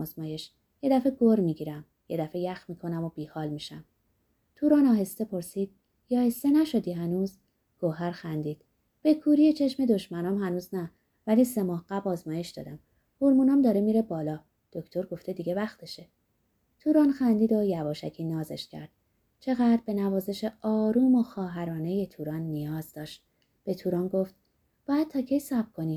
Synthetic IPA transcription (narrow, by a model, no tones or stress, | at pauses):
zmɒːje̞ʃ | je̞d̪æfe̞ɡoɾmiːɟiːɾæm | je̞d̪æfejæxmiːkʰo̞næmob̥iːhɒːlmiːʃæm | t̪ʰuːɾɒːnɒːɦe̞st̪e̞pʰo̞ɾsiːd̪̥ | jɒːhest̪enæʃo̞d̪iːhænuːz | ɡ̥oɦæɾxænd̪iːd̪̥ | b̥e̞kʰuːɾijet͡ʃʰe̞ʃme̞d̪o̞ʃmænɒːmhænuːznæ | væliːse̞mɒːhɢæbɒːzmɒːje̞ʃd̪̥ɒ̰ːd̪æm | hoɾmuːnɒːmd̪ɒːɾemiːɾe̞bɒːlɒː | d̪̥o̞cʰt̪ʰo̞ɾɡoft̪e̞d̪iːɟe̞væxt̪ʰe̞ʃe | t̪ʰuːɾɒːnxænd̪iːd̪ojæbɒːʃæcʰiːnɒːze̞̰ʃcʰæ̰ɾd̪̥ | t͡ʃʰe̞ɣæːd̪ɾbe̞nævɒːze̞ʃe̞ɒːɾuːmoxɒːɦæɾɒːne̞jet̪ʰuːɾɒːnːijɒːzd̪ɒːʃt̪̚ | b̥e̞t̪ʰuːɾɒːnɡo̞ft̪ | b̥ɒːjæd̪̥̚t̪ʰɒːcʰe̞jsæb̚kʰo̞niː